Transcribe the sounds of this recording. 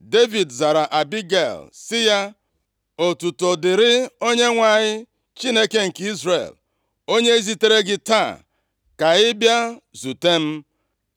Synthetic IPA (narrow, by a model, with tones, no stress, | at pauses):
de˦vi˨dza˨ɾa˨ʔa˨bi˦ɡḛ˦˨lsɪ˦ja˦ | o˨tu˨to˨dɪ˨ɾɪ˦o˦ɲe˦ŋʷa˨ɲɪ˦ | t͡ʃi˦ne˦ke˦ŋ̩˨ki˦zrḛ˨l | o˦ɲe˦e˦zi˦te˦ɾe˦ɡɪ˦ta˦˨ | ka˨ɪ˦bja˦zu˨te˦m̩˦